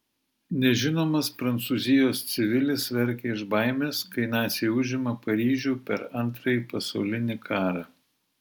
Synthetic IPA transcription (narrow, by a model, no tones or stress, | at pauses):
nʲɛʒʲɪnoːmɐspɾɐnt̪suːzʲɪjoːst̪sʲɪʋʲɪlʲɪsʋʲɛɾʲkʲɛɪʒbɐˑɪmʲeːskɐɪnɑːsʲeʊʒʲɪmɐpɐɾʲiːʒʲuːpʲɛɾɐnˑt̪ɾɐjipɐsɐʊlʲɪnʲɪkʰɑːɾɑː